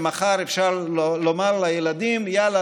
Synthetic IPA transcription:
maχaʁefʃaʁlomaʁlajelad̪imjala

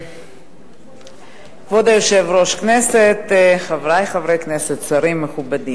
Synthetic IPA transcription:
vod̪ajoʃevɾoʃkneset̪χavɾajχavɾekneset̪saɾimːeχubad̪im

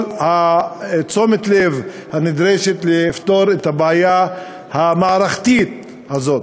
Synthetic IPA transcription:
ha | t͡so̞met̪lev | hanid̪ʁeʃet̪leift̪o̞ɾet̪habeaja | hamaːɾaχt̪it̪̚ | hazo̞t

